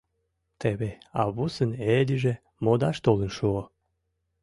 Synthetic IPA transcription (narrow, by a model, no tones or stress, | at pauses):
t̪ʰeβeɑβusəned̪ʲiʒe | mod̪ɑʃt̪olənʃuo